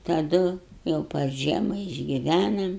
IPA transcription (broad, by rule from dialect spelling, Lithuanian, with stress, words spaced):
tɐˈdʊ jɛʊ pɐr ˈʒʲiɛmɐ ɪʒʲɡʲɪˈʋʲænɐm